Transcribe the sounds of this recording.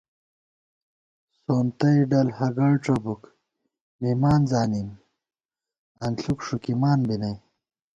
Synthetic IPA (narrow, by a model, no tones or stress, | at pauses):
soːnt̪ɐjɖɐlhɐɡɐɽʈ͡ʂɐbuk | mimaːnzaːnim | ɐnɬukʂukimaːnbinɐj